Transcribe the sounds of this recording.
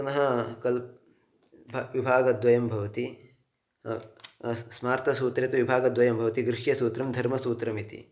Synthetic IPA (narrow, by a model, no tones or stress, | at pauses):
ɐnɐɦɐkɐl | bʱʋibʱaːɡɐd̪ʋɐjɐmbʱɐʋɐt̪i | smaːɾt̪ɐsuːt̪ɾɐt̪ɐʋibʱaːɡɐd̪ʋɐjɐmbʱɐʋɐt̪iɡɾɪʂjɐsuːt̪ɾɐmd̪ʱɐɾmɐsuːt̪ɾɐmit̪ḭ